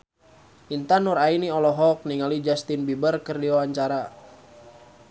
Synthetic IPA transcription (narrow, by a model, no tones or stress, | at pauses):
ʔint̪anuɾainiɔlɔɦɔk̚niŋalid͡ʒast̪inbibərkərdiwawaɲt͡ʃaɾa